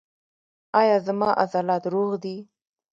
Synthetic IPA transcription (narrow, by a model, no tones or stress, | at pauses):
ɑjɑzamɑʔa̰zɑlɑt̪ɾoɣd̪i